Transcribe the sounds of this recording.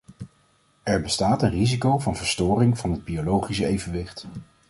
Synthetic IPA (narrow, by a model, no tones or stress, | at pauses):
ɛɹbəstaːtənrizikowvɑnvəɹstʊːrɪŋv̥ɑnɦəd̚biolowχis̬əejvənʋɪχt